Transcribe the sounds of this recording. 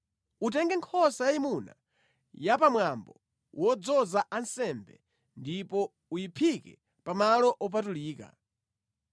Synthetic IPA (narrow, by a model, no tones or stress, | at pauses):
ut̬ɛŋɡɛŋkʰɔsajaimuna̰ | japamwambɔ | wɔd͡zɔzaʔansɛmbɛ | ndipɔ | ujipʰikɛ | pamalɔʔɔp̬atuliːka̰